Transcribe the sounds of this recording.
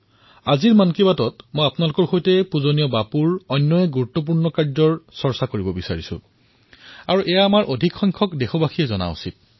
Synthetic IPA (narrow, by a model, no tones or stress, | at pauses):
aziɹmankibatɔtmojapnalʊkɔɹxojtɛpuzonijɔbapuɹɔjnːɔjɛɡuɹutːɔp̬uɹnɔkaɹzɔɹsɔɹsakoɹibɔbisaɹisʊ̰ | aɹuʔɛjaːmaɹʔodʱikxɔjŋkʰɔkdexɔbaxʰijɛzɔna̰ṵsit̚